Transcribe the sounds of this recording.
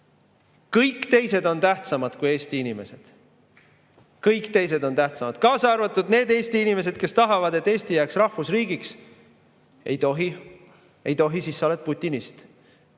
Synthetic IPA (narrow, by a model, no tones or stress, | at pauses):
kɤjkːˑt̪e̞jse̞d̪o̞nt̪æht̪sɑmɑd̪̥kuje̞ːst̪iinime̞se̞̰d̪̥ | kɤjkˑt̪e̞js̬e̞d̪̥o̞nt̪æht̪sɑmɑd̪̥kɑːsɑrvɑt̪ːˑud̪̥ne̞ːd̪e̞ːst̪iinime̞se̞d̪̥ke̞st̪ɑɦɑvɑd̪̥e̞t̪ːˑe̞ːsʲt̪ijæːksrɑhfusriːɡiks | e̞jt̪oɦi | e̞jt̪o̞ɦisisːolet̪̚put̪ʲːˑinist̪